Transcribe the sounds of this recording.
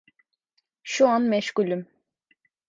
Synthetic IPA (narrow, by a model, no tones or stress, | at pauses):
ʃuanmɛʃkulʲym